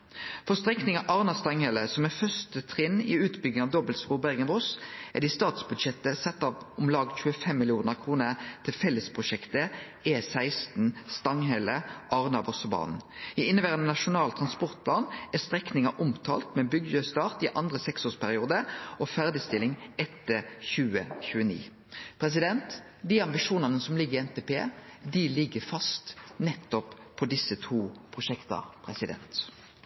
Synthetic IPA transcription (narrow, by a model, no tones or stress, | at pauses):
fɔʁst̪ʁɛknɪŋɑʔɑːʁnɑst̪ɑŋhɛləsɔmɛfœst̪ət̪ʰʁɪnːɪ̰ʉːt̪bʏɡ̪ɪŋɑʋd̪ɔbəlsʁuːbæʁɡənʋʊsʔæ̰d̪ɪst̪ɑːt̪sbʉd̪ʃɛt̪ːəsɛt̪ːɑʋʊmlɑːɡc͡çʉːəfɛmːɪlɪuːnəʁkʰʁuːnəʁt̪ʰɪlfɛlːəspʰʁʊʃɛkt̪ə | eːsæɪst̪n̩st̪ɑŋhɛləʔɑʁnɑʋɔsɔbɑ̰ːnn̩jɪɪnːəbæːʁənənɑʃʊnɑːlt̪ʰʁɑnspɔʁt̪̚pʰlɑːnæst̪ʁɛknɪŋɑʔʊmt̪ʰɑ̰ːlt̪mɛbʏɡjøːst̪ɑːʁt̪ɪʔɑnd̪ʁəsɛksoːspʰæʁɪuːd̪əɔfæʁd̪ɪst̪ɪlːɪŋɛt̪ːəçʉːəçʉːənḭː | pʰʁɛs̬ɪd̪ɛnt̪ | d̪iːɑmbɪʃuːnɑnəsɔmlɪɡːəɪɛnt̪ʰeːpʰeːd̪ilɪɡːəfɑst̪nɛt̪ːɔppʰːɔd̪ɪsːət̪ʰuːpʰʁʊʃɛkt̪ɑ̰pʰʁɛsɪd̪ɛ̰nt̪